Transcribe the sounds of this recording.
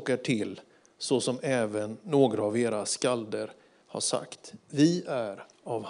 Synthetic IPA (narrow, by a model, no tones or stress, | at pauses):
kaʈʰɪlː | sɔsɔmɛːvənːoːɡɾaːveːɾaskald̪əɾ | ha̰ʂa̰kt̪vɪæɾ | avh